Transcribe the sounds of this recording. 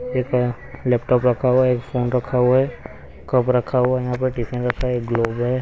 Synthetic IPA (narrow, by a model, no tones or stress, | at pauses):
eːk | lɛːp̚ʈɔːpɾɐkʰaɦuaeːkfoːnɾɐkʰːaɦuaɦɛ | kɐpɾɐkʰaɦuajɐɦãːp̬ɐʈiːsẽnɾɐkʰːaeːk̚ɡloːbɦɛ